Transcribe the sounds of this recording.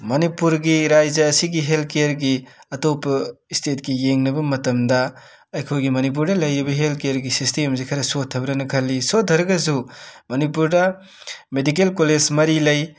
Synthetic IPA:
mɐnipuɾɡiɾajzɐːsiɡiɦelkeɐɾɡiɐtopɐistet̚ɡijeŋnɐbɐmɐtɐmdɐ | ɐjkʰojɡimɐnip̬uɾdɐlɐjɾibɐɦelkejaɾɡisistemzikʰɐɾɐsotʰːɐbɾɐnɐkʰɐlːisodʱɐɾɐɡɐsumɐnipuɾdɐ | medik̬elkolezmɐɾilɐj

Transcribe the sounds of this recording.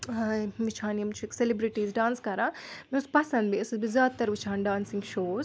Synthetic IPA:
ʋit͡ʃʰaːnjɐmt͡ʃʰuekselibɾiʈiːzɖaːnskɐɾamespɐsɐnbiɐsɐbizaːt̪t̪ːɐɾʋit͡ʃʰaːnɖaːnsiŋɡʃoːz

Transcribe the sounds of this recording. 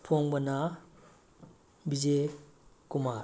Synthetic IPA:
pʰɔŋbɐna | bid͡ʒekumaɾ

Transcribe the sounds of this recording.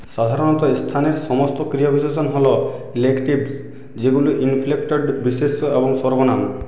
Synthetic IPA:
sad̪ʱaɾɔnɔt̪ɔist̪ʰaneɾsɔmɔst̪ɔkɾijɔbʱisesɔnɦɔlɔilekʈibs | d͡ʒeɡuluʔinpʰlekʈɔɖbisesɔebɔŋsɔɾbɔnam

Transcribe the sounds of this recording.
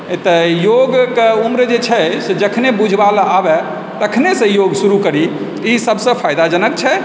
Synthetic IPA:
t̪ɔjoɡkeumɾd͡ʒet͡ʃʰɛsed͡ʒəkʰnebud͡ʒʱbalabɛ | t̪əkʰnesə̃joɡsuɾukəɾi | isəbsə̃pʰajd̪ad͡ʒənək̚t͡ʃʰɛ

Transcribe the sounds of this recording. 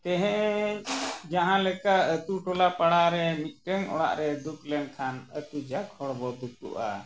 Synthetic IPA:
t̪ɛɦɛ̃ʔ | d͡ʒaɦãlɛkaət̪uʈɔlapaɽaɾɛmit̪̚ˀʈɛŋɔ̰ɽa̰ʔɾɛd̪uklɛŋkʰanət̪ud͡ʒakʰɔɽbɔd̪uk̚t̪ṵʔa̰

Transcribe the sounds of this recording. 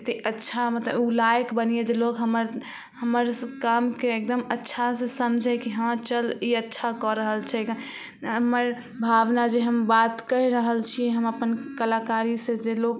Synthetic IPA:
t̪iətːʃʰamət̪ləbulajkbənijed͡ʒelokɦəməɾ | həməɾkamkeek̚d̪əmətːʃʰasesəmd͡ʒʱɛkiɦãt͡ʃəliətːʃʰakɔɾəɦəlt͡ʃʰɛ | əməɾ | bʱaʋnad͡ʒeɦəmbat̪kəiɾəɦəlt͡ʃʰiɦəməpənkəlakaɾisẽd͡ʒelok

